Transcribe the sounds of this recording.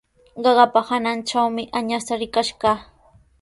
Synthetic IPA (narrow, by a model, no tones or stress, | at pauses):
ɢɑɢɑpahanant͡ʃawmɪʔaɲast̪aɾɪkaʃɢɑː